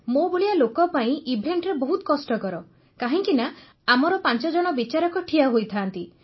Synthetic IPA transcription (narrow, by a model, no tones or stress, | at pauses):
mobuɭialokɔpaĩʔibʱeɳʈɾebɔɦut̪ɔkɔsʈɔkɔɾɔ | kaɦĩŋkina | amɔɾɔpant͡ʃɔd͡ʒɔɽ̃ɔbit͡ʃaɾɔkɔʈʰiaɦojt̪ʰaːnt̪i